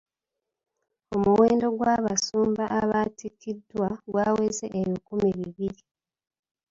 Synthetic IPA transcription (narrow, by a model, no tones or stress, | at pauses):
o̞muweːndo̞ɡwaːβasuːmbaʔaβatikːidwaɡwaːwe̞ːze̞ʔːβjikumiβiβiɾi